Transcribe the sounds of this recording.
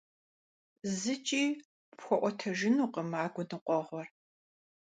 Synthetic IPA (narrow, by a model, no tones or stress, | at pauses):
zɨt͡ʃʼiː | pxʷɔʔʷɔtʰɐʒɪnuːqəmaːɡʷʊnɨqʷɔʁʷɔr